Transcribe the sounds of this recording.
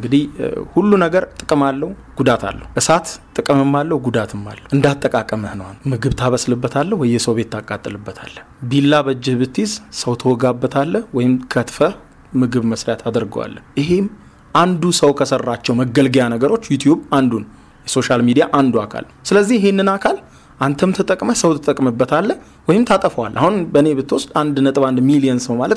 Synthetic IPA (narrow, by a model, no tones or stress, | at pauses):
ɨŋɡɨd̪ihhulːunəɡəɾt̪ʼɨkʼɨmalːəhuɡ̥ud̪at̪ʰa̰lːə̰huʔɨsat̪ʼːɨkʼəmɨmːalːəhɡud̪at̪ʰɨmːa̰lːəʔɨnd̪at̪ʼːəkʼakʼəməhnəwanmɨɡɨβt̪ʰaβəslɨbːət̪ʰalːəhwɔjːɛsəwbe̞t̪ːʰakʼːat̪ʼːɨlɨbːət̪ʰa̰lːəhbilːabəd͡ʒːɪhbɨt̪ʰːizsəwt̪ʰəwɔɡabːət̪ʰalːəhwɔjɪmkʰət̪fə | mɨɡɨβməsɾejat̪ʰad̪əɾɡəwa̰lːəʔɪɦem | ʔand̪usəwkʰəsərːat͡ʃːɛwməɡəlɡijanəɡəɾo̞t͡ʃːjut̪ʰjuband̪un | jɛso̞ʃalmid̪ijaʔand̪uakʰa̰l | sɨləzːihɪɦhenːɨnakʰal | ʔant̪ʰəmt̪ʰət̪ʼəkʼməsəwt̪t̪ʼəkʼmɨbːət̪ʰalːəh | wɔjɪmt̪ʰat̪ʼəfəwalːʔahunbəne̞bɨt̪ːɨwɔsd̪and̪nət̪ʼɨβand̪milijənsəwmalət̪